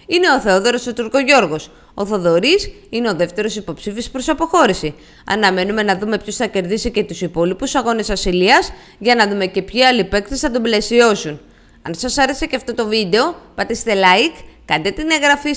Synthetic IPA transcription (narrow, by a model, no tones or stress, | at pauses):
ine̞o̞θe̞o̞ðe̞ɾo̞sot̪uɾko̞ʝo̞ɾɣo̞s | oθo̞ðo̞ɾis | ine̞o̞ðe̞ft̪e̞ɾo̞sipo̞psifispɾo̞sɐpo̞xo̞ɾisi | ɐ̰nɐme̞nume̞nɐðume̞pçosθɐce̞ɾðisice̞t̪usipo̞lipusɐɣo̞nesɐsiliɐz | ʝɐnɐðume̞ce̞pçiɐlipe̞kt̪isθɐt̪uble̞sio̞sun | ɐnsɐsɐɾe̞se̞ceɐft̪o̞t̪o̞vid̪e̞o̞pɐt̪ist̪e̞lɐikːɐnd̪et̪ineɣɾɐfi